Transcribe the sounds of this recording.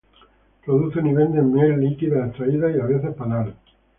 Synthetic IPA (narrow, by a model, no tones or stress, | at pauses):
pɾoðuθeniβeld̪emjelːlikiðaest̪ɾaiðaiaβeθespanal